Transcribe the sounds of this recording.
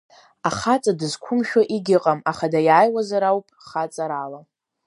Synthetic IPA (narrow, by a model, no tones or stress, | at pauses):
aχat͡sʼadɨzkʷʰʊmʃᶣaʔiɡʲɪqʼamaχadajajwazaɾawpʰʼχat͡sʼaɾala